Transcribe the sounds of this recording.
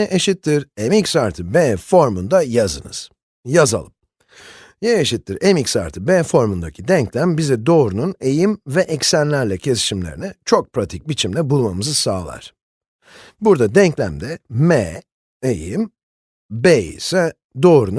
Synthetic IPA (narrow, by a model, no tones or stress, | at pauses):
jɛʔeʃit̪ʰːiɾɛmicsaɾt̪ʰɯbeːfo̞ɾmund̪ajazɯ̰nɯ̰z̥ | jaza̰lˠɯm | jɛeʃit̪ːiɾemicsa̰ɾt̪ʰɯbeːfo̞ɾmund̪acʰid̪ɛɲclʲæmbizɛd̪o̞ːɾunune̞jimvɛʔɛcsænlʲæɾlʲɛcʰe̞si̥ʃimlʲeɾḭnɛt͡ʃʰo̞k̚pɾat̪ʰic̚bit͡ʃʰimlʲɛbulˠmamɯzɯsaːlˠa̰ɾ̥ | buɾd̪ad̪ɛɲclʲæ̰md̪ɛmeː | ejim | beḭsɛ | d̪o̞ːɾun